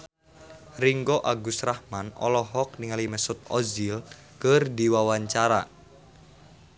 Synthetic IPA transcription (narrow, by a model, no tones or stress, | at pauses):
riŋɡoʔaɡusrahmanɔ̰lɔɦɔk̚niŋalimɛsʊt̪̚ɔzil | kərdiwawaɲt͡ʃaɾa̰